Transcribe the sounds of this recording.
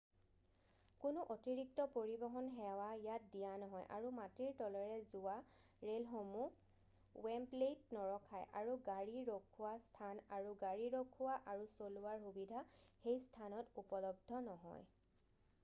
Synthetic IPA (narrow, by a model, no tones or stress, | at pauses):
kʊnʊʔotiɹik̚tɔpoɹibɔɦɔnxɛwajat̚dijanɔɦɔjʔa̰ɹumatiɹtɔlɔɹɛzua | ɹelxomu | wɛmplejtnɔɹɔkʰajʔaɹuɡaɹiɹokʰuwastʰanaɹuɡaɹiɹokʰuwaʔaɹusolʊaɹxubidʱaxejstʰanɔtupɔlɔb̚dʱɔnɔɦɔ̰j